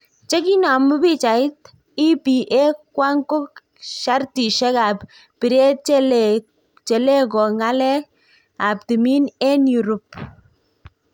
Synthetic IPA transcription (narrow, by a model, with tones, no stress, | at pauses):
t͡ʃɛ˦ki˦na˨mu˦pi˦t͡ʃa˨ɪ˦t̚ | i˦pi˨ʔe˦kwa˦ŋko˦k | ʃa˦rti˨ʃɛ˦ka˨p | pi˨ɾe˦ | t͡ʃɛ˨le˦kɔ˨ŋa˦lɛ˦ | a˨p̚ti˨mi˦nɛ˦nju˨ɾo˨p̚